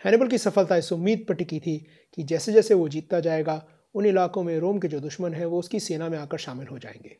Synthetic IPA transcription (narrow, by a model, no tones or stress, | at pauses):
hɛːnɪbəlk̬isɐfəlt̪aɪsʊmːiːd̪̚pɐʈikit̪ʰi | kid͡ʒɛːsed͡ʒɛːseʋod͡ʒiːt̪ːad͡ʒaːeːɡa | ʊnɪlaːkõmẽɾoːmked͡ʒoːd̪ʊʃmənɦɛ̃ʋoʊskiseːnamẽaːkəɾʃaːmɪlɦod͡ʒa̰ːḛ̃ːŋɡeː